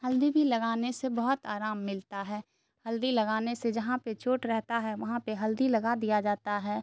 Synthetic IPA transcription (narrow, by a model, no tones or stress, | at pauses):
hɐld̪ibʱilɐɡaːnesebɐɦʊt̪aːɾaːmːɪlt̪aɦɛː | hɐld̪ilɐɡaːnesed͡ʒɐɦãpet͡ʃoːʈɾɛɦt̪aɦɛʋɐɦãpeɦɐld̪ilɐɡad̪ijad͡ʒaːt̪aɦɛː